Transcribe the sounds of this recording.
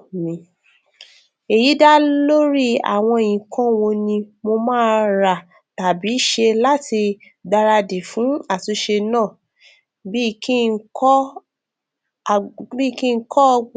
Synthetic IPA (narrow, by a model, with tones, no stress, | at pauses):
mĩ˧ | e˨ji˨˦da˦lo˦ɾi˦˨a̰˨w̃ɔ̃˧˨ĩ˨kʰɔ̃˦wɔ̃˧nĩ˧mo˧mãː˦ɾa˨ | ta˨bi˨˦ʃe˧la˦ti˧ | da˧ɾa˧de˨fũ˨˦a˦˨su˨˧˦ʃe˧nãː˦˨ | bi˦˧ki˦kɔ˦ | bi˦˧˨kĩ˦˧˦kɔ˦˧ɡ͡b